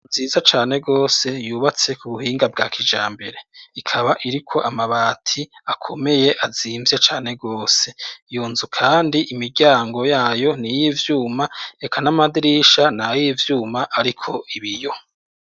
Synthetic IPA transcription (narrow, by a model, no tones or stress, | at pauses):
ziːzat͡ʃaːne̞ɡo̞ːse̞juːβat͡se̞kuβuhiːŋɡab̚ɡa̰ːkʰid͡ʒaːmbe̞ɾe̞ikʰaβaʔiɾikʰo̞ʔamaβaːtʰiakʰo̞me̞je̞ʔaziːmvjet͡ʃaːne̞ɡo̞ːse̞juːnzukʰaːndiʔimiɾɟaːŋɡo̞jaːjo̞nijiːvjuːmae̞kʰanamadiɾiʃanajiːvjuːmaʔaɾikʰo̞ʔiβijo̞